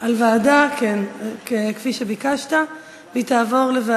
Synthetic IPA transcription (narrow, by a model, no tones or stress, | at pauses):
ʔalvaːdakenkekfiʃebikaʃta | vitaːvo̞ʁleva